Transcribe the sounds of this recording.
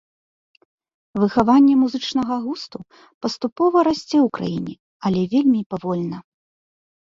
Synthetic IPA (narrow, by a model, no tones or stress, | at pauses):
vɨxavanʲːɛmuzɨt͡ʂnɐɣɐɣust̪u | pɐst̪upɔvɐɾasʲt͡sʲɛwkɾa̰jinʲɛ | ɐlʲɛvʲelʲmʲipavɔlʲnɐ